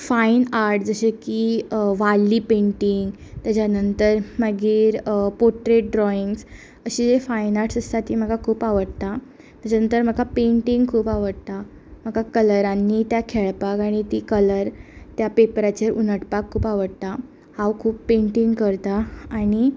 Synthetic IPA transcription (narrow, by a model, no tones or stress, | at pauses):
fainaɾʈd͡zəɕekiʋalːiːpẽɳʈiŋɡ | t̪jat͡ɕanənt̪əɾməɡiːɾpoʈɾeʈ̚ɖɾɔiŋɡs | əɕiːd͡zefainaɾʈsəst̪at̪iːm̤əɡakʰuːpaʋəɽt̪a | t̪at͡ɕanənt̪əɾm̤əɡapeɳʈiŋɡkʰuːpaʋəɽt̪a | m̤əɡakələɾanːiːt̪jakʰeɭpakaɽ̃it̪iːkələɾt̪japepɾat͡ɕeunəʈpakʰːuːpaʋəɽt̪a | hãwkʰuːpːeɳʈiŋɡkəɾt̪aːɽ̃i